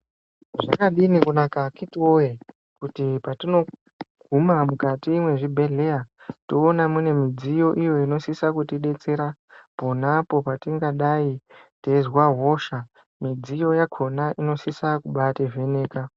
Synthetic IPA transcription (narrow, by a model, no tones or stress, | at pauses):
ʐa̰kaɗinikunakakitiwoje | kutipatino̞ | ɡ̥ʱumamukatiːmwe̞ʐibʱe̞ɮe̞atoːnamune̞mid͡zijo̞ʔijo̞ino̞sisakutiɗe̞t͡se̞ɾapo̞napo̞patiŋɡaɗai | tezwaɦo̞ʃa | mid͡zijo̞jakʰo̞naʔino̞sisakuɓateve̞ne̞ːka